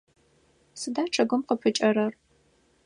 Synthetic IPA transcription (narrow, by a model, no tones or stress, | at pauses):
sɨdaːʈ͡ʂʰɐɡʷʊmqəpʰɨt͡ʃʼɐɾɐr